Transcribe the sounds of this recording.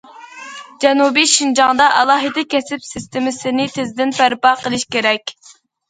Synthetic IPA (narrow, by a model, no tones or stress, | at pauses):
d͡ʒɛnubiʃind͡ʒɑŋd̪ɑʔɑlˠɑːɦɨd̪ɨkʲʰɛsɪpsɪst̪ɪmɪsɪnɪt̪ʰɪzd̪ɪnpæɾpɑqəlˠɪʃkʲeɾɛkʲ